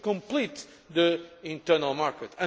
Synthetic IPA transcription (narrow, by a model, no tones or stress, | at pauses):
kõmplit̪ | ðɨĩnt̪ɜɾnalˠmaɾkət̪ɨ̃